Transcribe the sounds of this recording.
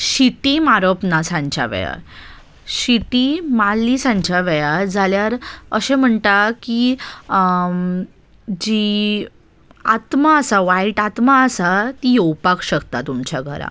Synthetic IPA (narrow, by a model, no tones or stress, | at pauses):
ɕit̪imaɾopnasãɲt͡ɕja̰ʋə̰ja̰ | ɕit̪imalːisãɲt͡ɕaʋəjad͡zaljaɾəɕẽm̤əɳʈaki | d͡ʑi | at̪maəsaʋaiʈat̪maəsat̪ijəwpakɕəkt̪at̪umt͡ɕaɡʱə̰ɾa̰